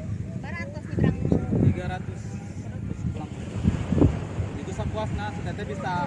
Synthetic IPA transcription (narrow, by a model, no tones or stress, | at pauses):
aɾat̪usiat̪iɡaɾat̪us | sulaŋ | it̪usakuasnasət̪ɛt̪ɛbisa